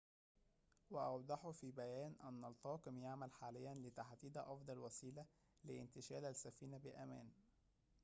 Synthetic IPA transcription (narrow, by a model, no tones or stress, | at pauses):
wæʔɑwd̪ˤɑħfiːbæjæːnʔæ̰nːælt̪ˤɑːkɨmjaʕmælħaːlɪjːænlɪt̪aħd̪iːd̪ʔɑfd̪ˤɑlwæsiːlæ | lɪʔɪnt̪ɪʃæːlæsːæfiːnabɪʔæmæːn